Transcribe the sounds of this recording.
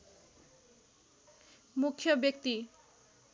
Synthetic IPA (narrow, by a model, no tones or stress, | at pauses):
mukʰjʌbjʌk̚t̪i